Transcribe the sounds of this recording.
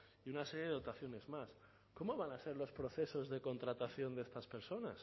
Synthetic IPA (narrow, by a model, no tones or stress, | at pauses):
iunaseɾje̞eot̪aθjo̞ne̞zmas | ko̞mo̞βanase̞ɾlo̞spɾo̞θe̞so̞zðe̞ko̞nt̪ɾat̪aθjo̞nd̪est̪aspe̞ɾso̞nas